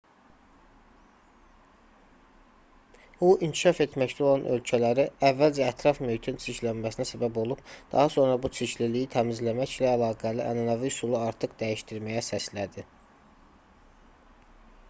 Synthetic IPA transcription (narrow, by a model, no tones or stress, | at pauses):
b̥uʔincʰi̥ʃɑfe̞t̪mæct̪ʰæo̞lˠɑnʔø̞lcʰælæɾiævːæld͡ʒæːt̪ʰɾɑfmymt̪ʰint͡ʃʰiçlænmæsinæsæbæbo̞lˠub̥d̪̥ɑ̰ɦɑso̞nɾɑbut͡ʃ̪ʰiçlilijit̪ʰæmizlæmæçlæːlɑːɡæliʔæ̰nɑnɑvisulˠɑɑɾt̪ʰɯqd̪æjiʃt̪iɾmæjæsæslæd̪i